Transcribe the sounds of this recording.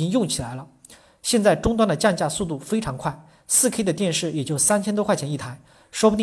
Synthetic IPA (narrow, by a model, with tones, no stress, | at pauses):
i˥ŋjʊ˥˩ŋt͡ɕʰi˨˩la˧˥ɪlə˧ | ɕjɛ˥˧nt͡sa˥˩ɪʈ͡ʂʊ˥ŋt̪wa˥nd̪ə˨t͡ɕja˥˧nt͡ɕja˥˧su˥˧t̪u˥˩fe˥ɪʈ͡ʂʰɑ˧˥ŋkʰwa˥˩ɪ | sɹ̩˥˩kʰe˥ɪd̪ə˨˧t̪jɛ˥˧nʂɻ̩˥˩jɛ˨˩t͡ɕjo˥˩ʊsa˥nt͡ɕʰɛ˥nt̪wkʰwa˥˩t͡ɕʰɛ˧˥ni˥˩t̪ʰa˧˥ɪ | ʂwɔ˥pu˧t̪i˥